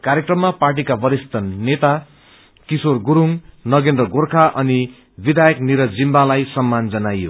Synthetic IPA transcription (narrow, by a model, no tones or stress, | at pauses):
kaɾjekrʌmːaparʈ̬ikabʌɾist̪ʌnet̪a | kisorɡuɾuŋnʌɡend̪rʌɡorkʰaʔʌni | bid̪ʱajʌkniɾʌd͡zimbalajsʌmːand͡zʌnajːo̰